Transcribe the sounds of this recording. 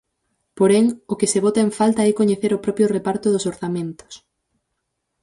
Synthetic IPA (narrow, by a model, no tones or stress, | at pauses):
poɾɛŋokeseβ̞ot̪aeɱfalt̪aɛkoɲeθeɾʊpɾɔpɾjʊrepaɾt̪ʊðʊsoɾθamẽnt̪ʊ̥s